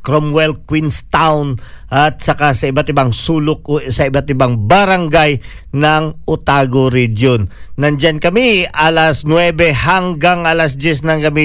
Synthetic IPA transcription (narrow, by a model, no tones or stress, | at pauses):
kɾomwɛlkwinst̪awnʔat̪̚sɐkasɐɪbat̪ɪbaŋsuːlok̚ʔosɐɪbat̪ɪbaŋbɐɾaŋɡaj | nɐŋʔʊt̪aːɡoɾid͡ʒonːɐnd͡ʒankɐmiʔalasnwɛbɛɦaŋɡaŋalas̬d̪jɛs̬nɐŋkɐmi